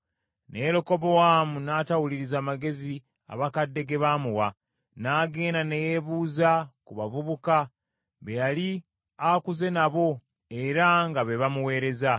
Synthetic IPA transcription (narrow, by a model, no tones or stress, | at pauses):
ne̞ɾoko̞βo̞waːmunatawuliɾizaːmaɡe̞zi | a̰βakadːe̞ɡe̞βaːmuwa | naːɡe̞ːndane̞jeβuːzakuβavuβuka | βe̞jali | akuze̞naβo̞ | e̞ɾaŋɡaβe̞βamuwe̞ːɾe̞za